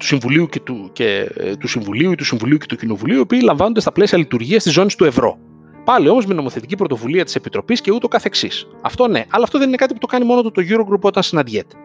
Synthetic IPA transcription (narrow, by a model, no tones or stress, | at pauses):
t̪u̥siɱvuliucet̪ucet̪usiɱvuliuit̪usiɱvuliuce̞t̪ucino̞vuliuiopiːlɐɱvɐnond̪est̪ɐple̞siɐlit̪uɾʝiɐst̪izo̞nist̪ue̞vɾo̞̰ | pɐlio̞mo̞zmeno̞mo̞θe̞t̪icipɾo̞t̪o̞vuliɐt̪i̥se̞pit̪ɾo̞pisce̞ut̪eo̞kɐθeksis | ɐ̰ft̪o̞ne̞ʔɐlɐːft̪oðeninekɐt̪iput̪okɐnimo̞not̪ot̪oʝuɾoɡɾupo̞t̪ɐnsinɐd̪ʝet̪i̥